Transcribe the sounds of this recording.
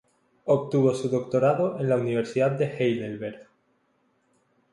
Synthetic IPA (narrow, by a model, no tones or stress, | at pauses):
ok̚t̪uβo̞suðo̞k̚t̪o̞ɾaðoʔe̞nlauniβ̞e̞ɾsiðaðd̪e̞xejlelβeɾ